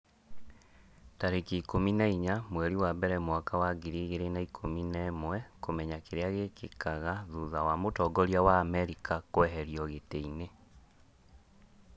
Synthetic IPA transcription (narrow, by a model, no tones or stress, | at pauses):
taɾekiːkominaiɲamwɛɾiwabɛɾɛmwakawaɡiɾiɣeɾenaikʰominɛmwɛkomɛɲakeɾeaɣekʰekaɣaðuðawamotɔːɡɔɾiawaːmɛɾikakoɛɦɛɾiɔɣeteine